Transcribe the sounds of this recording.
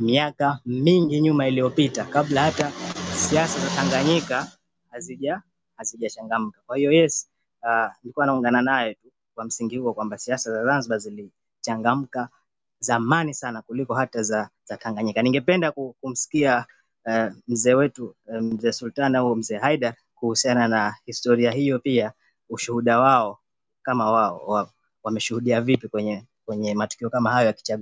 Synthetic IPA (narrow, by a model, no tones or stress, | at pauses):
miakamiŋɡiɲumailijɔpitakablahatasiasazataŋɡaɲika | haziʄa | haziʄat͡ʃaŋɡam̩kakwahijɔjɛs | nilikuwanauŋɡananajɔtu | kwam̩siŋɡihuɔkwambasiasazazanzɓazili | t͡ʃaŋɡam̩ka | zamanisanakulikɔɦatazaz̥ataŋɡaɲikaniŋɡɛpɛndakukum̩si̥kia | m̩zɛːwɛtum̩zɛːsultanaum̩zɛːɦaiɗaɾ | kuhusiananahistɔɾiahijɔpia | uʃuhuɗawaɔ | kamawaɔ̰a | wamɛʃuhuɗiavipikwɛɲɛ | kwɛɲɛmatu̥kiɔkamahajɔjaki̥t͡ʃaɠu